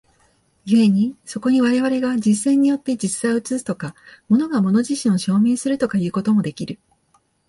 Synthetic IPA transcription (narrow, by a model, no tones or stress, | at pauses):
jɯe̞ɲ̟iso̞ko̞ɲ̟iβaɾe̞βaɾe̞ɡad͡ʑisẽ̞ɲ̟ːijo̞t̪ːe̞d͡ʑisɨaɯ̟t͡sɨt͡sɨ̥t̪o̞kamo̞no̞ɡamo̞no̞ʑiɕĩɰ̃o̞ɕo̞ːme̞ːsɨɾɯ̟t̪o̞kajɯ̟ːko̞t̪o̞mo̞d̪e̞kʲiɾɯ̟